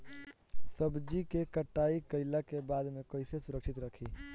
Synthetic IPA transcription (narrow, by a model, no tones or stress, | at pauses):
səbd͡ʒikekəʈːaːikəɪlakebaːd̪mẽkəɪsesʊɾəkʃɪt̪ɾəkʰiː